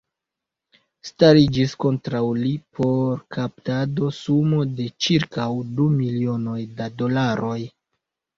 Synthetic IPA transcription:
staɾid͡ʒisko̞ntɾawlipʰo̞ɾkʰaptado̞sumo̞de̞t͡ʃiɾkawdumilio̞no̞jdado̞laɾʔo̞j

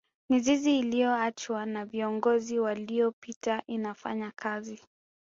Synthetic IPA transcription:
miziziːlijɔat͡ʃwanaviɔŋɡɔziwalijɔpitaʔinafa̰ɲakʰazi

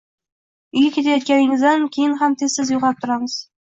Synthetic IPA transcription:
ɪɡʲakʲet̪ajɒt̪̚kʲanɪŋɪzd̪ankʲʰejɪnɦamt̪ʰezsɪzjʊqɑp̚t̪ʰʊɾamɨz̥

